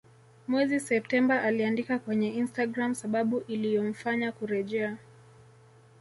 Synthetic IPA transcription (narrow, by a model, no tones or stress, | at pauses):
mwɛzisɛp̚tɛmbaʔaliandikakwɛɲɛinstaɡɾamsaɓaɓuʔilijɔm̩faɲakuɾɛʄɛa